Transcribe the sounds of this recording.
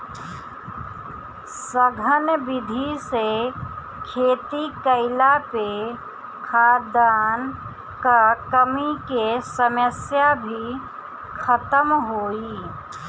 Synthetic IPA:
səɡʱənbɪd̪ʱise | kʰeːt̪ikəɪlape | kʰaːɾd̪aːn | kakəmikesəməsjabʱi | kʰət̪əmɦoːiː

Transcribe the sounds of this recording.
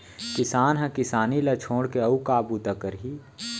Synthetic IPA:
kɪsaːnɦɐ̃kɪsaːnilɐt͡ʃʰoːɽkeɐukaːbut̪ɐkəɾɦi

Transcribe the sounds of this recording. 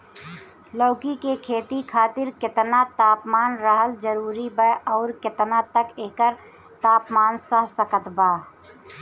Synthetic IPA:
lɔːkikekʰeːt̪ikʰaːt̪ɪɾkɪt̪nat̪aːpmaːnɾəɦəld͡ʒəɾuːɾibəɔːɾkɪt̪nat̪əkeːkəɾ | t̪aːpmaːnsəɦsəkət̪baː

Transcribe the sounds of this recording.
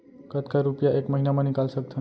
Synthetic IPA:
kət̪kaɾupjaʔekməɦinamanikalsək̚t̪ʰə

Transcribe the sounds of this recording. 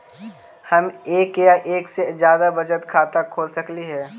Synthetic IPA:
hɐmeːkjaʔeːksed͡ʒjaːd̪abɐd͡ʒət̪kʰaːt̪akʰoːlsəkliɦɛː

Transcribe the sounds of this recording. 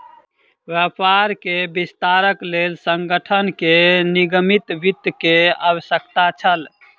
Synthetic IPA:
ʋjapaɾkebist̪aɾəklelsəŋɡəʈʰənkeniɡəmit̪bit̪kea̰wəsjəkt̪at͡ʃʰəl

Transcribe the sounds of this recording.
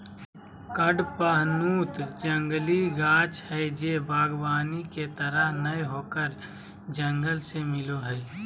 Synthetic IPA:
kəɖpəɦnuːt̪d͡ʒə̃ŋɡliɡaːt͡ʃhɛd͡ʒeːbʱaːɡbaːniket̪əɾəɦnəjɦoːkəɾ | d͡ʒə̃ŋɡəlsemɪloɦɛː

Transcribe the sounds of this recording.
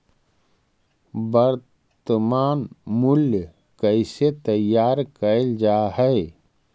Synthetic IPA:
bəɾ | t̪əmaːnmʊlj | kəɪset̪əjaːɾkəld͡ʒaːɦɛ

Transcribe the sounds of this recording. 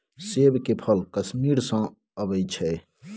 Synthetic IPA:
sebkepʰəlkəsmiɾsə̃ | əbəjt͡ʃʰɛ

